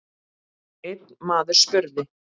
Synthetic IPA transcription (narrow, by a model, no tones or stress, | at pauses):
ejt̪nmaːðʏɾ̥spʏɾðɪ